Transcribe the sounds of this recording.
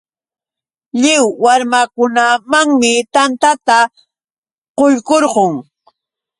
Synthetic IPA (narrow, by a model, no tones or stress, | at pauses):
ʎɪwːaɾmakʊnamaŋmɪt̪ant̪at̪a | qojkoɾqoŋ